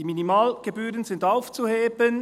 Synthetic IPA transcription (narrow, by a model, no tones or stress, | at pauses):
iːminimɑːlɡ̥ebyːɾʁənzɪndaʊft͡suheːbən